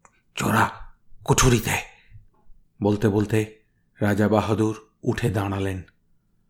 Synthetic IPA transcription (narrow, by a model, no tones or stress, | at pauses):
t͡ɕo̰ɾakoʈʰuɾit̪ɛe | bolt̪ebolt̪e | ɾad͡ʑabaɦod̪uɾ | uʈʰed̪aɽ̃alen